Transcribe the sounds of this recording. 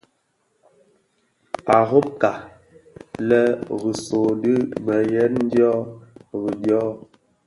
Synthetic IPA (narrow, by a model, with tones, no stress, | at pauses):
a˨ɣo˦p̚ka˨ | lɛ˦ɣi˨so˨di˦mɛ˨jɛ˦tn̩˦djɔ˦ɣi˨djɔ˦